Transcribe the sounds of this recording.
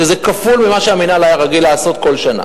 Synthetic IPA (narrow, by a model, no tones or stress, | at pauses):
ʃezekafulmimaʃeaminalajaʁaɡilaːso̞t̪̚ko̞lʃana̰